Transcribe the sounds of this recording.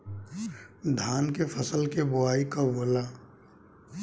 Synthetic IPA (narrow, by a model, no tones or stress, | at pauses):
d̪ʱaːnkepʰəsəlkebʊaːikaboːlaː